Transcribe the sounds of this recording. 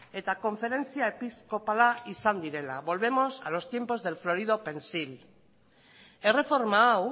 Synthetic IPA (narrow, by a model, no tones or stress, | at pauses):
e̞t̪ako̞ɱfe̞ɾe̞nt͡siae̞pisko̞palaisand̪iɾe̞laβo̞lβe̞mo̞salo̞st̪je̞mpo̞zðe̞lflo̞ɾið̞o̞pe̞nsil | ere̞fo̞ɾmaaw